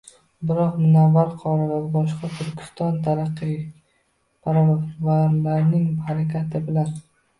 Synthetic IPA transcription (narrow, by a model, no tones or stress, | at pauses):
bɪɾɒqmɪnavːalqʰɒɾalaɾbɒʃqɑt̪ʰʊɾkʲʰɪ̥st̪ɒnt̪ʰaɾaqː | pʰaɾɒvaɾlaɾnɪŋhaɾakʲʰat̪ʰɪbɪlan